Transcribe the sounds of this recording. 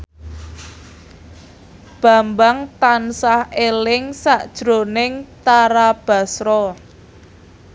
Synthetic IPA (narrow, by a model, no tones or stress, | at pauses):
b̥a̤mbaŋt̪ansahelɪŋsaʔd̥ʒ̥ɾonɪŋt̪aɾab̥a̤sɾɔ